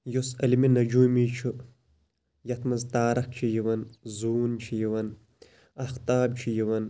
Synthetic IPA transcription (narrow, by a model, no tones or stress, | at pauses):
josɐliminɐd͡ʒumit͡ʃʰu | jɐt̪ʰmɐzt̪aːɾɐk̚t͡ʃʰijiwɐnzuːnt͡ʃʰijiwɐn | ɐxt̪aːb̚t͡ʃʰijiwɐn